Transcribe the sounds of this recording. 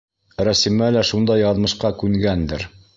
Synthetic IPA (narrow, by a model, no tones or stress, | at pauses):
ɾæsimælæʃund̪ɑjɑðmɤ̆ʃqɑkʉŋɡænd̪ɘɾ